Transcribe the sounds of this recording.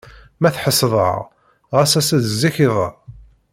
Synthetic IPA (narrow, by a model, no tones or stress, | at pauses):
mæθħəsˤðˤə̰ʁ | ʁæsæsæðzːiçiðˤə̰